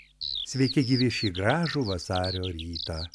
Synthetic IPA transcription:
sʲʋʲɛɪkʲɪɡʲiːʋʲɪʃʲiɡɾɑːʒuːʋɐsɑːɾʲoːɾʲiːt̪ɑː

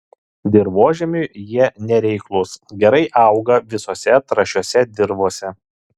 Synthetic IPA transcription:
d̪ʲɪɾʋoːʒʲɛmʲʊjiɛnʲɛɾʲɛɪklˠʊsɡʲɛɾɐɪʔɑˑʊɡɐʋʲɪsoːsʲɛt̪ɾɐʃʲoːsʲɛd̪ʲɪɾʋoːsʲɛ

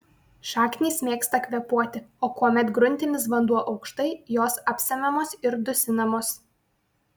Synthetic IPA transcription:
ʃɑːk̪ʲnʲiːsmʲeːkst̪ɐkʲʋʲɛpuɔt̪ʲɪoːkuɔmʲɛt̪ɡɾʊnʲt̪ʲɪnʲɪs̬ʋɐnd̪uɔʔɒʊkʃt̪ɐɪjoːsɐpʲsʲɛmʲɛmoːsɪɾd̪ʊsʲɪnɐmoːs

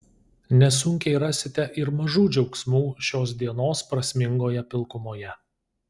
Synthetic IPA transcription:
nʲɛsʊŋʲkʲɛɪɾɑːsʲɪt̪ʲɛʔɪɾmɐʒuːd͡ʒʲɛʊksʲmuːʃʲoːs̬d̪ʲiɛnoːspɾɐsʲmʲɪŋɡoːjɛpʲɪlˠkʊmoːjɛ

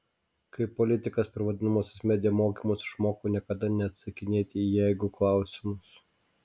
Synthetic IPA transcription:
kɐɪpːɔlʲɪt̪ʲɪkɐspʲɾʲɪʋɐd̪ʲɪnɐmoːsʲɪsmʲɛd̪ʲɪjɛmoːkʲiːmosɪ̥ʃmoːkoːnʲiɛkɐd̪ɐnʲɛɐt̪ʲsɐkʲɪnʲeːt̪ʲɪjæɪɡʊklˠɑˑʊsʲɪmʊs

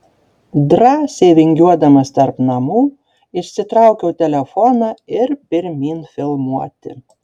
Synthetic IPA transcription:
d̪ɾɑːsʲeɪʋʲɪŋʲɡʲuɔd̪ɐmɐst̪ɐɾpnɐmuː | ɪʃʲsʲɪt̪ɾɑˑʊkʲɛʊt̪ʲɛlʲɛfɔnɑːɪɾpʲɪɾʲmʲiːnfʲɪlˠmuɔt̪ʲɪ̰

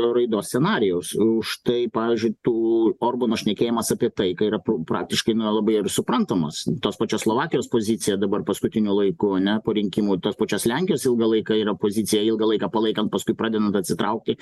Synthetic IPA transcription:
rɐɪd̪oːsʲsʲɛnɑːɾʲɪjɛʊsʊʃt̪ɐɪpɑːʋʲɪːzʲd͡ʒʲʊɪt̪uːoːrboːnoːʃʲnʲɛkʲeːjɛmɐsɑpʲiɛt̪ɐɪkɐiːɾɐppɾɑ̰ːk̚t̪ʲɪʃkɐɪnʊlˠɐbɐɪɪrsʊpɾɐnt̪omɐst̪oːspɑːt͡ʃʲoːslˠoːʋɑːkʲɪjoːspoːzʲɪt̪sʲɪjɛd̪ɐbɐrpɐskʊt̪ʲɪnʲʊlˠɐɪkʊɐnʲɛpoːɾʲɪŋʲkʲimuːt̪oːspɑːt͡ʃʲoːslʲæŋʲkʲɪjoːsɪlˠɡɐlˠɐɪkɑiːɾɐpoːzʲɪt͡s̪ʲɪjɛɪlˠɡɐlˠɐɪkɑpɐlˠɐɪkɐnt̪̚pɐskʊɪpɾɑːdʲɛnɐnt̪ɐt̪ʲsʲɪt̪ɾɐʊk̚t̪ʲɪ

